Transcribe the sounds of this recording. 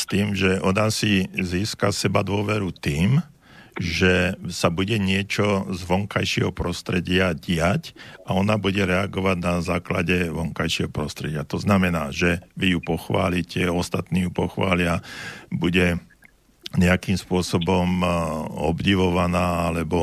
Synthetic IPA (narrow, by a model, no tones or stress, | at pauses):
st̪iːmʒɛʔɔnasiziːska̰sɛbad̪ʊɔʋɛɾut̪iːm | ʒɛsabuɟɛɲɪɛt͡ʃɔzʋɔŋkajʃɪɛ̰ɦɔpɾɔst̪ɾɛɟɪaɟɪacaɔnabuɟɛɾɛaɡɔʋaɟnazaːkla̰ɟɛʋɔŋkajʃɪɛɦɔpɾɔst̪ɾɛɟɪat̪ɔznamɛnaːʒɛʋijupɔxʋa̰ːlicɛɔst̪at̪niːjupɔxʋa̰ːlɪabuɟɛ | ɲɛakiːmspʊɔsɔbɔm | ɔ̰bɟiʋɔʋanaːalɛbɔ